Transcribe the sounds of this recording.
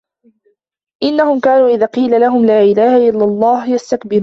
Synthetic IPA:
ʔɪnːahʊmkaːnuːʔɪðaːqiːlalaɦʊmlaːʔɪlaːhaʔɪlːalˤːɑːhjast̪akbɪɾː

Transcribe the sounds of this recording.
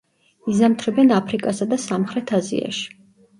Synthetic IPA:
izamt̪ʰɾɛbɛnapʰɾikʼasad̪asamχɾɛt̪ʰazḭa̰ʃi̥

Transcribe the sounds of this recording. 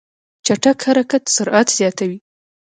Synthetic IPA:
t͡ʃaʈakhaɾakat̪sʊɾʔat̪z̥jɑt̪awi

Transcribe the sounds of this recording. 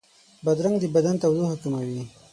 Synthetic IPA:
bad̪ɾaŋɡd̪əbad̪ant̪awd̪ohakumawi

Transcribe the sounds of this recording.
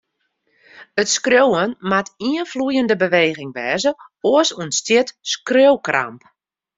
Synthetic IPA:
ətskrøwənmatiənflujəndəbəʋeːɣɪŋʋɛːzəoəsuənstjɪtskrøwkra̰mp

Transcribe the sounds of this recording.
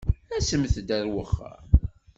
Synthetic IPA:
æsəmθəd̪æɾwəχːə̰ɾ

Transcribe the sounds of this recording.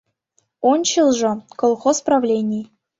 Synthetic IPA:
ont͡ɕilˠʐɤ̆kolˠχosprɑvlʲenʲij

